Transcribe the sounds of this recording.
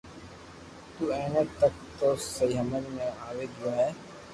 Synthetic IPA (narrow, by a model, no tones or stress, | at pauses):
t̪uːɛːɳeːt̪ək̚t̪oːsəiːɦəmənimẽaːʋeːɡ̪uaːɦɛː